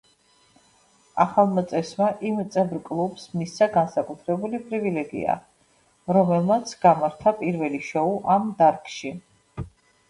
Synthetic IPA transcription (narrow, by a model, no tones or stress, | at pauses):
a̰χalˠmət̪sʼɛsmaʔimt̪sʼɛbɾkʼlˠubsmisaɡansakʼut̪ʰɾɛbulipʼɾivilɛɡḭa̰ | ɾɔmɛlˠmat̪sʰɡ̥amaɾt̪ʰapʼiɾvɛliʃɔuʔamd̪aɾkʼʃi